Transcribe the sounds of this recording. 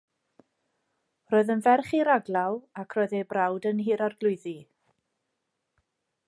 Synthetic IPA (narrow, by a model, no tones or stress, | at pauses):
roːɨðənvɛrχiɾaɡlˠawakʰroːɨðejbrawdənhiːɾarɡlˠʊɨði